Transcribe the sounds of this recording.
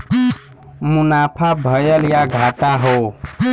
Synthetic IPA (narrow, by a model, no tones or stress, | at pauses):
munapʰabʱəjəljaɡʱat̪aɦo